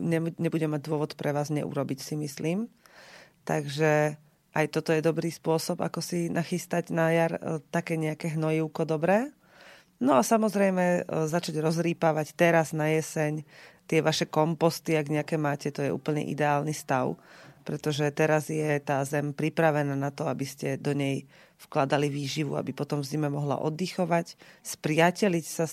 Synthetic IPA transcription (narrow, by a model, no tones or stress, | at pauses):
ɲɛɲɛbuɟɛmaɟ̚d̪ʊɔʋɔt̪pɾɛʋaːzɲɛ̰ʔṵɾɔbicsimisliːm | t̪aɡʒɛ | ʔajt̪ɔt̪ɔjɛd̪ɔbɾiːspʊɔsɔba̰kɔsinaxist̪aɟnajaɾt̪akɛːɲɛakɛɦnɔjiʊkɔd̪ɔbɾɛː | nɔasamɔzɾɛjmɛzat͡ʃaɟɾɔzɾiːpaʋact̪ɛɾaznajɛsɛɲt̪ɪɛʋaʃɛkɔmpɔst̪iaɡɲɛakɛmaːcɛt̪ɔjɛ̰ʔṵːpl̩ɲɛ̰ʔḭd̪ɛaːlnist̪aʊpɾɛt̪ɔʒɛt̪ɛɾazjɛt̪aːzɛmpɾipɾaʋɛnaːnat̪ɔabiscɛd̪ɔɲɛj | fklad̪aliʋiːʒiʋṵa̰bipɔt̪ɔmvzimɛmɔɦla̰ʔɔ̰d̪ixɔʋacspɾɪacɛlicsa